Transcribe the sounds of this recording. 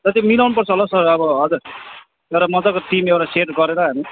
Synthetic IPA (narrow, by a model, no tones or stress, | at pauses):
t̪ʌt̪emilawnupʌrt͡sʰʌɦolasʌrʌbʌɦʌd͡zuɾ | ewɾamʌd͡zakoʈimewɾaseʈɡʌɾeɾʌɦʌjnʌ